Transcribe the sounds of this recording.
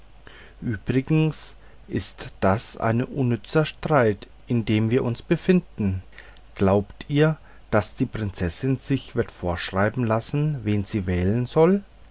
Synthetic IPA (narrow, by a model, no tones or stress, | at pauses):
ʔyːbʁɪɡŋ̩s | ʔɪstd̥asʔa̰ɪnəʔunːʏt͡sɐʃtʁ̥aɪt | ʔɪndeːmviːɐʔʊnsb̥əfɪndn̩ | ɡ̥laʊptʰiːɐ | d̥asd̥iːpʁ̥ɪnt͡sɛsɪnz̥ɪçv̥ɪɐtfoːɐʃʁ̥aɪbm̩lasn̩veːnziːvɛːlənzɔl